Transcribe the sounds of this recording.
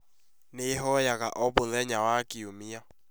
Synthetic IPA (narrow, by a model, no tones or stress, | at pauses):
nɪɦɔjakʼaʔɔbʊlɛɲawakʼiomia